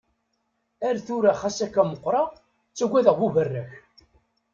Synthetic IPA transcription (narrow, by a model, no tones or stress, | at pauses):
æɾθuɾaχæsækːæməqːɾˤɑ | t͡sːæɡʷːæðəʁwuvərːəç